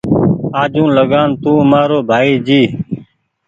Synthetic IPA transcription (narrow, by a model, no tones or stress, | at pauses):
aːd͡ʒũːləɠaːnt̪ũːmaːɾoːbʱaːiːd͡ʒiː